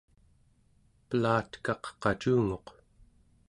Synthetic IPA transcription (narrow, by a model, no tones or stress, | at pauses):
pəlaːt̪kɑqqɑt͡ʃuːŋo̞q